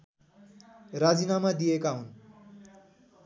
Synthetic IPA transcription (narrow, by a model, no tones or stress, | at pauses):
rad͡zinamad̪ijekaɦun